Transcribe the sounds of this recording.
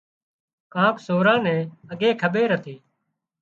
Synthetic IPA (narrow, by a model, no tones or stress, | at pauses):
kãːksoːɾãːnɛ̃ːəɡeːkʰəɓeːɾət̪ʰiː